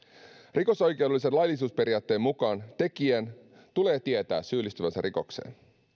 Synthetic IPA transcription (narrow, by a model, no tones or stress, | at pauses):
rʔiko̞so̞jk̟ewdelːisenlɑjlːˑis̬uːspe̞ɾiɑːt̪ːe̞ːmukɑːnt̪e̞kien | t̪ule̞ːt̪ie̞t̪æ̰ːsyːlːist̪yʋænsærʔiko̞̰kse̞̰ːn